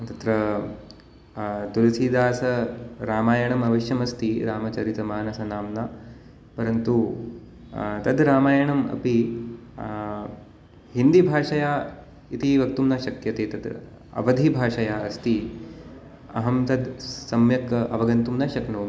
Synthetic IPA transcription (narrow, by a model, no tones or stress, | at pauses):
t̪ɐt̪ɾɐ | t̪ulɐsiːd̪aːsɐɾaːmaːjɐɳɐmɐʋɐʃjɐmɐst̪iɾaːmɐt͡ʃɐɾit̪ɐmaːnɐsɐnaːmna | pɐɾɐnt̪u | t̪ɐd̪ɾaːmaːjɐɳɐmɐ̰pi | ɦind̪ibʱaːʂɐjaː | it̪iʋɐk̚t̪umnɐʃɐkjɐt̪eːt̪ɐd̪ | ɐ̰ʋɐd̪ʱibʱaːʂɐjaːɐst̪i | ɐ̰ɦɐmt̪ɐd̪sɐmjɐkɐ̰ʋɐɡɐnt̪umnɐʃɐknoːm